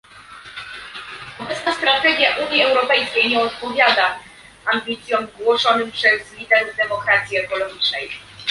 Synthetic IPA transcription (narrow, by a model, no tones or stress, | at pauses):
ɔbɛt̪snast̪ɾat̪ɛɡʲjaʔuɲiɛwɾɔpɛjskʲejɲɛɔt̪̚pɔvʲjad̪a | ambʲit̪sʲjɔmɡwɔʂɔnɘmpʂɛzlʲid̪ɛɾd̪ɛmɔkɾat̪sʲjiɛkɔlɔɡʲit͡ʂnɛj